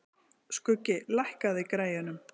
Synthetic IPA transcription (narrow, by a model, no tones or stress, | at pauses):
skʏcːɪlajhkaðɪkɾaːjɪnʏm